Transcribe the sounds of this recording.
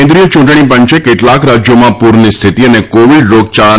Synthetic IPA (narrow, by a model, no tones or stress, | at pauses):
nd̪ɾijot͡ʃũʈɳ̃ipəɲt͡ʃekeʈlakɾad͡ʒjomãpuɾnist̪ʰit̪iənekoʋiɖɾoɡ̚t͡ʃa